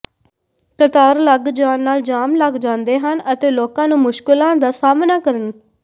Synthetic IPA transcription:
kət̪aːɾləɡd͡ʒaːnːaːld͡ʒaːmləɡd͡ʒãːnd̪eːɦənət̪eːloːkãːnũːmʊʃkɪlãːd̪aːsaːmnaːkəɾən

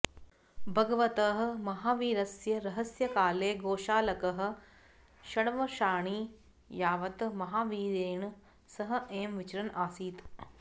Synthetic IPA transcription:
bʱɐɡɐʋɐt̪ɐːɦ̆mɐɦaːʋiːɾɐsjɐɾɐɦɐsjɐkaːleːɡoːʃaːlɐkɐɦɐ̆ | ʃɐɽɐʋɐʃaːɳiː | jaːʋɐt̪mɐɦaːʋiːɾeːɳ | sɐɦɐ̆ʔeːmʋit͡ʃɐɾɐnaːsiːt̪

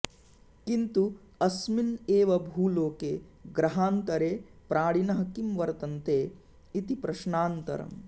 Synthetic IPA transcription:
kint̪u | ɐsmineːʋɐbʱuːloːkeːɡɾɐɦaːnt̪ɐɾeːpɾaːɽinɐɦɐkimʋɐɾt̪ɐnt̪eː | it̪ipɾɐʃɳaːnt̪ɐ̰ɾɐ̰m

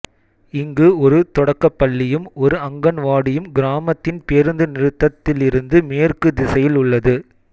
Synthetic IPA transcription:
ɪŋɡɯɔɾɯt̪ɔɽɐkːɐpːɐɭːɪjɯmɔɾɯɐŋɡɐnʋaːɽɪjɯmɡɪɾaːmɐt̪ːɪnpeːɾɯnd̪ɯnɪɾɯt̪ːɐt̪ːɪlɪɾɯnd̪ɯmeːrkɯd̪ɪsɐjɪlʊɭːɐðɯ

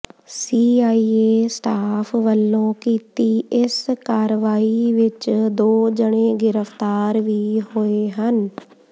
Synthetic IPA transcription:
siːaːiːeːsʈaːpʰʋəlːõːkiːt̪iːɪskaːɾʋaːiːʋɪt͡ʃd̪oːd͡ʒəɽ̃eːɡɪɾəft̪aːɾʋiːɦoːeːɦən

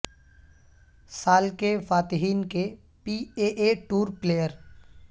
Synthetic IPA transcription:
saːlkefaːt̪ɪɦiːnke | piːeːʔeʈuːɾpleːjəɾ

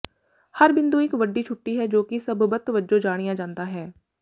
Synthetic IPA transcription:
həɾbɪnd̪uːɪkʋəɖːiːt͡ʃʰʊʈːiːɦɛːd͡ʒoːkɪsəbbət̪ʋəd͡ʒõːd͡ʒaːɽ̃ɪjãːd͡ʒãːnd̪aːɦɛː

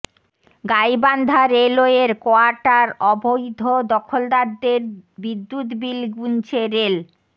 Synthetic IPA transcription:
ɡajband̪ʱaɾeloeɾkoaɾʈaɾɔbʱojd̪ʱod̪ɔkʰold̪aɾd̪eɾbid̪ːut̪bilɡunt͡ɕʰeɾel

